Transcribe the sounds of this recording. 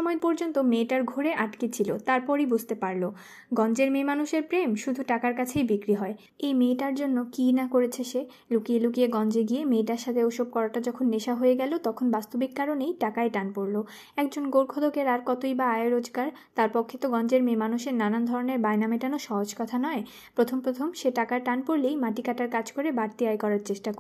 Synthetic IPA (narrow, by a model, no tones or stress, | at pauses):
ʃɔmɔepɔɾd͡ʑont̪omeʈaɾɡʱoɾeʔaʈket͡ɕʰilot̪aɾpɔɾibud͡ʑʱt̪epaɾlo | ɡɔnd͡ʑeɾmemanuʃeɾpɾemʃud̪ʱuʈakaɾkat͡ɕʰejbikɾiɦɔe | ejmeʈaɾd͡ʑonːokinakoɾet͡ɕʰeʃe | lukielukieɡɔnd͡ʑeɡiemeʈaɾʃat̪ʰeoʃob̚kɔɾaʈad͡ʑɔkʰonːeʃaɦoeɡɛlot̪ɔkʰonbast̪obikːaɾonejʈakaeʈanpoɾlo | ɛk̚d͡ʑonɡoɾkʰod̪ʱokeɾaɾkɔt̪ojbaajaɾod͡ʑɡaɾ | t̪aɾpɔkʰːet̪oɡɔnd͡ʑeɾmemanuʃeɾnanand̪ʱɔɾoneɾbajnameʈanoʃɔɦod͡ʑkɔt̪ʰanɔe | pɾot̪ʰompɾot̪ʰomʃeʈakaɾʈanpoɾlejmaʈikaʈaɾkad͡ʑʰkoɾebaɾt̪iajkɔɾaɾt͡ɕeʃʈako